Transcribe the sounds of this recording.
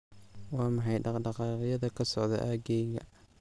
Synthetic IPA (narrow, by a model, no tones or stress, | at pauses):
wɑːmɑħɑjɖɑɖɑqɑːqjɐðɐkʰɐsɔʕðɐ̰ʔaːɡɛjɣɐ̰